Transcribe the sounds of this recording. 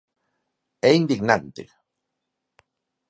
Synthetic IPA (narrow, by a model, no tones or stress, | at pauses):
eind̪iɡnant̪ḛ